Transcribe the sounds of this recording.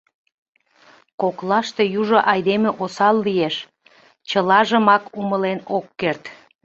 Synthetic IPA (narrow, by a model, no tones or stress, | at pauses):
koklɑʃt̪ejuʒoʔɑjd̪emeʔosɑlːijeʃ | t͡ɕəlɑʒəmɑkuməlenokːert̪